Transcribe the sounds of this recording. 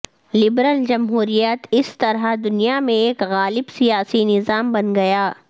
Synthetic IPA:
lɪbɾəld͡ʒɐmɦuːɾijət̪ɪst̪ɐɾad̪ʊnijamẽeːkɣaːlɪbsijaːsinɪzaːmbɐnɡɐjaː

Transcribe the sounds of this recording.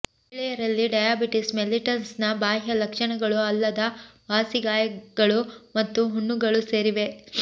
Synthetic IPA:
ɭɛjɐɾɐlːiɖɐjaːbiʈismeliʈɐnsnɐbaːɦjɐlɐkʂɐɳɐɡɐɭuɐlːɐd̪ɐʋaːsiɡaːjɐɡɐɭumɐt̪ːuɦuɳːuɡɐɭuse̞ːɾiʋe̞

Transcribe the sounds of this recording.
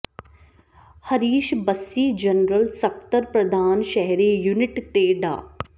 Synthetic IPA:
hɐɾiːʃbɐsːiːd͡ʒɐnɾəlsɐk̚t̪əɾpɾɐd̪ʱaːnʃɐɦɾiːjunɪʈt̪eːɖa̰ː

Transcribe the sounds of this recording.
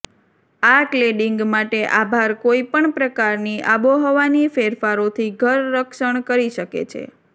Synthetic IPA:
aʈleɖiŋɡmaʈeʔabʱaɾkoipəɳpɾəkaɾniʔaboɦɔʋanifeɾfaɾot̪ʰiɡʱəɾːəkʃəɳkəɾiʃəkḛt͡ʃʰḛ

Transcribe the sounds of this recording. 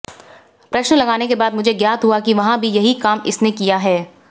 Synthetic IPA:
pɾɐʃnlɐɡaːnekebaːd̪mʊd͡ʒʱeɡjaːt̪ɦuakiʋɐɦãbʱijɐɦikaːmɪsnekijaɦɛː

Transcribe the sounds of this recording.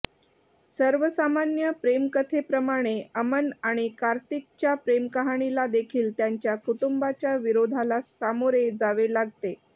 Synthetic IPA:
səɾʋəsamanjəpɾemkət̪ʰepɾəmaɽ̃eəmənaɽ̃ikaɾt̪ik̚t͡ɕjapɾemkəɦaɽ̃ilad̪ekʰiːlt̪jaɲt͡ɕjakuʈumbat͡ɕjaʋiɾod̪ʱalasamoɾed͡zaʋelaɡʱt̪e

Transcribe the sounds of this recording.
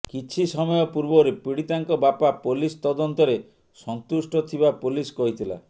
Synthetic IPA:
kit͡ʃʰisɔmɔjɔpuɾbɔɾepiɽit̪aŋkɔbapapolist̪ɔd̪ɔnt̪ɔɾe | sɔnt̪usʈɔt̪ʰibapuliskɔɦit̪ʰila̰

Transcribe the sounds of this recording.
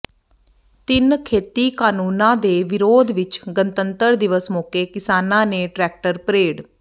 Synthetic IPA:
t̪ɪnkʰeːt̪iːkaːnuːnãːd̪eːʋɪɾoːd̪ʋɪt͡ʃɡənt̪ənt̪əɾd̪ɪʋəsmoːkeːkɪsaːnãːneːʈɾɛːk̚ʈəɾpɾeːɽ

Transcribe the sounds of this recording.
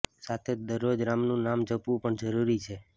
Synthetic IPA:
sat̪ʰed͡ʒd̪əɾːod͡ʒɾamnũnamd͡ʒəpʋũpəɳd͡ʒəɾuɾit͡ʃʰe

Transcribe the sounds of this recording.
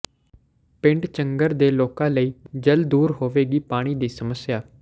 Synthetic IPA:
pɪ̃ɳɖt͡ʃəŋɡəɾd̪eːloːkãːləiːd͡ʒəld̪uːɾɦoːʋeːɡiːpaːɽ̃iːd̪iːsəməsjaː

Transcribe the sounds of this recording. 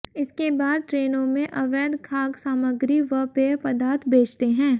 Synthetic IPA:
ɪskebaːd̪̚ʈɾeːnõmẽʔɐʋɛːd̪kʰaːɡsaːməɡɾiʋəpepɐd̪aːɾt̪ʰbeːt͡ʃt̪eɦɛ̃ː

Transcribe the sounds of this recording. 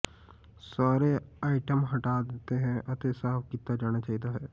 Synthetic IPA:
saːɾeaːɪʈəmɦɐʈad̪eːt̪eɦɛ̃ʔɐt̪esaːpkit̪ːad͡ʒaːɽ̃at͡ʃaːɦit̪aɦɛː

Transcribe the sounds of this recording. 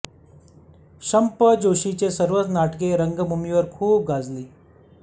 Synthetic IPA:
ɕəmpəd͡ʑoɕit͡ɕesəɾʋət̪naʈkeɾəŋɡəmbʱumiʋəɾkʰuːp̚ɡʱad͡zliː

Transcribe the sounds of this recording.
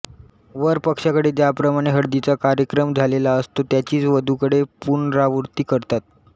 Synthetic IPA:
ʋəɾpəkʂakəɽet̪japɾəmaɽ̃eɦəɽd̪it͡sakaɾjəkɾəmd͡zʱalelaəst̪ot̪jat͡ɕiːt͡sʋəd̪ʱukəɽepunɾaʋuɾt̪iːkəɾt̪at̪̚

